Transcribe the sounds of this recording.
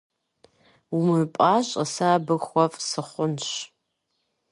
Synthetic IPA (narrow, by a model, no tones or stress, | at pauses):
umɨpʼaːɕʼəsaːbɨxʷɔfʼsɨχʷʊnɕ